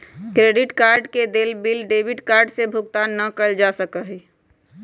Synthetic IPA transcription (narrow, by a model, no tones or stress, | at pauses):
kɾeɖiʈkaːɾɖked̪eːlbilɖeːbiɖkaːɾɖsebʱʊɡt̪anːəkəld͡ʒasəkəɦɛ